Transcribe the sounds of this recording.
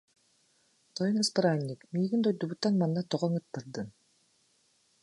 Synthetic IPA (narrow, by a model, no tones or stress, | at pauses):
t̪ɔjɔnɛspiɾanʲːikmiːɡint̪ɔjd̪ubut̪ːanmanːat̪ɔʁɔŋɯt̪ːɯɾd̪ɯn